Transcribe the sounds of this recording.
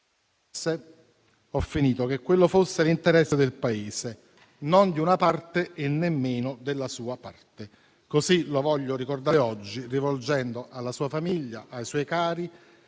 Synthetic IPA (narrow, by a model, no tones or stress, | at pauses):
e | ɔfːiniːt̪ok̟ekːwelːofosːelint̪eɾɛsːed̪elpaeːse | nond̪iunapart̪eʔenːemːeːnod̪elːasuːapart̪e | kosilovɔʎːoɾikord̪aɔd͡ʒːirivold͡ʒɛnd̪oʔalːasuːafamiʎːaʔajswɔːjkaːɾi